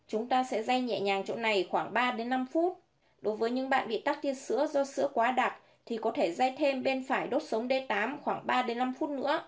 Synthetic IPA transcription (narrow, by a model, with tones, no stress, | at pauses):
t͡ɕʊ˨˦ŋ͡mt̪aː˧sɛ̰˧˥za˧jɲɛ̰˧˨ɲaː˨˩ŋt͡ɕo̰˧˨na˨˩jxwaː˧˩ŋɓaː˧ɗe˨˦nːa˧mfu˦˥t̚ | ɗo˨˦jvəː˨˦jɲɨ̰˧˥ŋɓa̰ː˧˨nɓḭ˧˨t̪a˦˥k̚t̪i˧ənsɨ̰˧˥əzɔ˧sɨ̰˧˥əkwaː˨˦ɗa˨˩t̚ | t̪ʰi˨˩kɔ˨˦t̪ʰe˧˩za˧jt̪ʰe˧mɓe˧nfaː˧˩jɗo˦˥t̚sə˨˦wŋ͡mɗe˧t̪aː˨˦mxwaː˧˩ŋɓaː˧ɗe˨˦nːa˧mfu˦˥t̚nɨ̰˧˥ə